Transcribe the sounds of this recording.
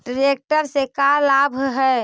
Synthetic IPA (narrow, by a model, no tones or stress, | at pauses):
ɖɾek̚ʈəɾsekalabʱɦɛ